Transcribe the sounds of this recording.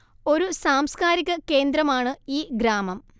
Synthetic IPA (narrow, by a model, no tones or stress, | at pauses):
o̞ɾusaːmskaːɾiɣʲɐke̞ːnd̪ɾɐmaːɳɨiːɡɾaːmɐm